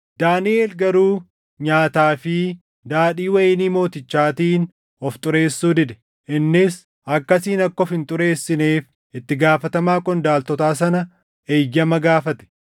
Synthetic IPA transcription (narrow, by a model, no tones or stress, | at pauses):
d̪aːnɪʔeːlɡɐɾuː | ɲaːt̪aːfɪ | d̪aːᶑiːwɐjniːmo̞ːt̪ɪt͡ʃːaːt̪iːn | ɔft̪ʼʊɾe̞ːsːuːd̪ɪd̪ɛ̥ | ʔɪnːɪs | ʔɐkːɐsiːnɐkːɔfhɪnt̪ʼʊɾeːsːɪneːf | ɪt̪ːɪɡaːfɐt̪ɐmaːkʼɔnd̪aːlt̪ɔt̪aːs̬ɐnɐ | ʔeːjːɐmɐɡaːfɐt̪ɛ̥